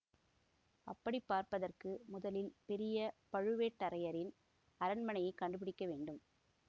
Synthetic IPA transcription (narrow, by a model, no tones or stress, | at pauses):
ɐpːɐɽipːaːɾpɐðɐrkɯmʊðɐlɪlpɛɾɪjɐpɐɻɯʋeːʈːɐɾɐjɐɾɪn | ɐɾɐnmɐnɐjɐɪkːɐɳɖɯp̬ɪɽɪkːɐʋeːɳɖɯm